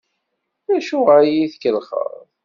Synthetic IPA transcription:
ðæʃuʁajiθkəlχə̰ɾ

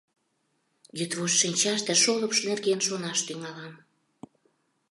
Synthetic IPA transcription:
jət̪βoʃʃinʲt͡ɕɑʃt̪ĕʃoləpʃnerɣenʃonɑʃt̪yŋɑlɑm

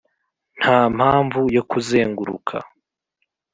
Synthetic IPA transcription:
n̥haːm̥haːɱvujo̞kuzeːŋɡuɾṵkʰa̰

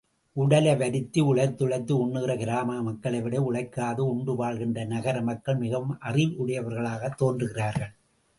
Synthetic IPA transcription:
ʔʊɽɐlɐʋɐɾɪt̪ːiʊɻɐɪɾt̪ːʊɻɐɪt̪ːɯʊɳːɯɣɪrɐkɪɾaːmaːmɐkːɐɭɐɪʋɪɽɐɪʊɭɐɪkːaːðɯʊɳɖɯʋaːɭɣɪndrɐnɐɣɐɾɐmɐkːɐɭmɪɣɐʋɯmʔɐrɪʋʊɽɐjɐʋɐɾɣɐɭaːɣɐt̪ːoːndrɯɣɪraːɾɣɐɭ

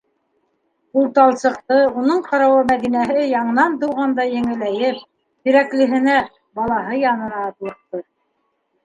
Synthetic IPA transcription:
ulˠt̪ɑlˠsɤ̆q̚t̪ɤunɤɴqɑɾɑwɑmæðinæɦɘjɑɴɤ̆nɑnt̪uwʁɑnd̪ɑjɘ̆ŋɘ̆læjɘp̚ | t̪ɵ̆ɾæklɘ̆ɦɘ̆næ | bɑlˠɑɦɤjɑnɤ̆nɑːt̪lˠɤ̆q̚t̪ɤ

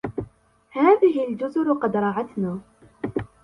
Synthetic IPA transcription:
haːðɪɦɪld͡ʒʊzʊɾʊqɑd̪ɾˤɑʕat̪naː

